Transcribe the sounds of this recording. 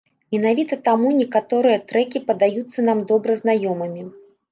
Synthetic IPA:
mʲɛn̪avʲit̪ɐt̪amunʲɛkat̪ɔɾɨjɐt̪ɾɛkʲipɐd̪ajut̪sːɐnamd̪ɔbɾɐznajɔmɨmʲi

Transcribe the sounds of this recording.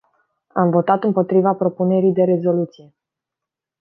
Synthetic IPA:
amvo̞t̪at̪ɨmpo̞t̪ɾivapɾo̞pune̞ɾijd̪e̞ɾe̞zo̞lut̪sije̞

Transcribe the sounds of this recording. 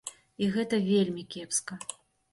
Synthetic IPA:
iɣɛt̪ɐvʲelʲmʲikʲɛpskɐ

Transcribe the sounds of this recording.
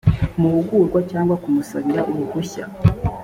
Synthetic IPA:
muhuɡuːɾɡwacaːŋɡwakumusaβiɾaʔuβuɡuça̰

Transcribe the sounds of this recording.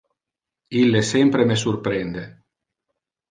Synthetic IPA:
ilːesɛmpɾemes̬urpɾend̪e

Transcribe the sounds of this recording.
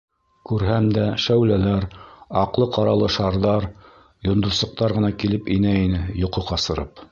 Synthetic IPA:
kʉɾɦæmd̪æʃæwlælæɾɑqlˠɤqɑɾɑlˠɤʃɑɾðɑɾ | jŏnd̪ŏsˠɤ̆q̚t̪ɑɾʁɤ̆nɑkilɘpinæinɘjŏqŏqɑsɤ̆ɾɤp

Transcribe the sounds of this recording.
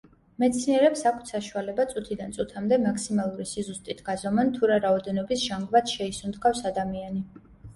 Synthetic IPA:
mɛt̪sʰniɛɾɛpsakʰt̪ʰsaʃualɛbat̪sʼut̪ʰid̪ant̪sʼut̪ʰamd̪ɛmakʰsimalˠuɾisizust̪ʼit̪ʰɡ̥azɔmɛnt̪ʰuɾaɾaɔd̪ɛnɔbisʒaŋɡvat̪ʃɛisund̪ɡafsad̪amiani

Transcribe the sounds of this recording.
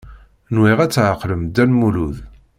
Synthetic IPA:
nwiʁæt͡sːʕəqːləmd̪ænmuluð

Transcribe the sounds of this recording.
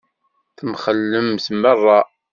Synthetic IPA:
θəmχəlːəmsmərˤːɑ

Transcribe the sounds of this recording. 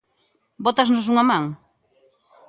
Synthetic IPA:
bot̪aznos̬uŋamãŋ

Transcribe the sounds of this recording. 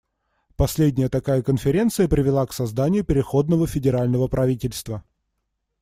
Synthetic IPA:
pɐsʲlʲedʲnʲɪjət̪ɐkajəkənfʲɪɾʲe̞nt̪sɨjəpɾʲɪvʲɪlˠaksɐzd̪anʲɪjʊpʲɪɾʲɪxo̞d̪nəvəfʲɪdʲɪɾalʲnəvəpɾʔɐvʲitʲɪlʲst̪və

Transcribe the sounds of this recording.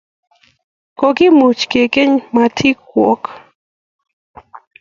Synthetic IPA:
kokimut͡ʃkekeɲmat̪ʰikwo̰k

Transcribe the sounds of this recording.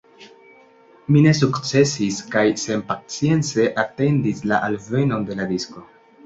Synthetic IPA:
mine̞s̬ukt͡se̞siskajse̞npat͡sije̞nt͡se̞ʔate̞ndislaʔalve̞no̞nde̞ladisko̞

